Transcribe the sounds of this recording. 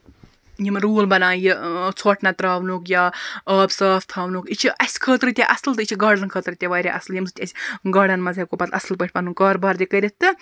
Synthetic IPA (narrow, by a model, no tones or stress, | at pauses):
jimɾuːlbɐnãːjit͡sʰoʈʰnɐt̪ɾaːʋnuːkjaːəːbsaːft̪ʰaːʋnukit͡ʃʰiʔɐsʲkʰəːt̪ɾɨt̪ʲeʔɐsɨlt̪ɨit͡ʃʰiɡɐːɖɐnkʰəːt̪ɾɨt̪ʲɐʋaːɾʲiʔɐsljimsɨt̪ʰʲɐsʲɡɐːɖɐnmɐzɐkopɐt̪ɐ̰sɨlpəʈʰʲpɐnukɐːɾbaːɾd̪ʲikɐɾʲit̪ːɨ